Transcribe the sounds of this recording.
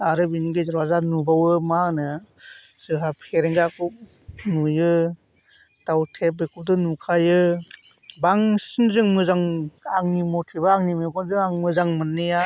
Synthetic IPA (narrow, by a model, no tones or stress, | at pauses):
aɾɯbiniɡezaɾwazanubawɯmanɯ | sɯɦapʰeɾeŋɡakup̚ | nujɯ | tawtʰep̚bekʰup̚dɯnukʰajɯ | baŋsinzɯŋmɯzaŋaŋnimɔtʰibaːŋnimekʰɔnzɯŋaŋmɯzaŋmɯnːɯja